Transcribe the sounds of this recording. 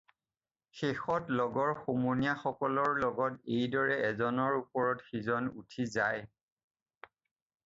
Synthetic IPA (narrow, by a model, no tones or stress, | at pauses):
xexɔtlɔɡɔɹxomunijaxɔkɔlɔɹlɔɡɔtejdɔɹɛɛzɔnɔɹupɔɹɔtxizɔnṵtʰizaj